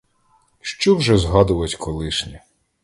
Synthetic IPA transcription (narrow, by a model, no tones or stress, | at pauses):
ʃt͡ʃɔwʒɛzɦɑd̪ʊʋɐtʲkʰɔlˠɪʃnʲi